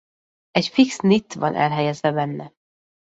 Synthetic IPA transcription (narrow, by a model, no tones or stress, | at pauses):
ɛcfiksnit̪ːvɒ̰nʔɛ̰lɦɛjɛzvɛbɛnːɛ